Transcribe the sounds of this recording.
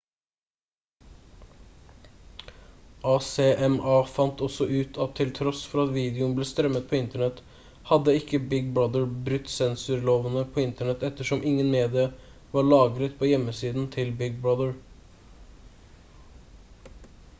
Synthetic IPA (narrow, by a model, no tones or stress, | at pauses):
ʔɑːseːʔɛmɑːfɑnt̪ɔsɔʔʉːt̪ʰɑt̪ʰːɪlt̪ʰɾɔsfɔɾɑt̪ʋiːd̪ɪʊnbleːst̪ɾœmːət̪̚pʰoːɪnt̪əɳɛt̪ | hɑd̪əɪkːəbɪɡ̚bɹɑd̪əɹbɾʉt̪ːsɛnsʉɾloːʋənəpʰoːɪnt̪əɳɛt̪ɛt̪ːəʂɔmʔɪŋːənmeːd̪ɪə | ʋɑːɭɑːɡɾət̪pʰoːjɛmːəsiːd̪n̩t̪ʰɪlbɪɡ̚bɹɑd̪əɹ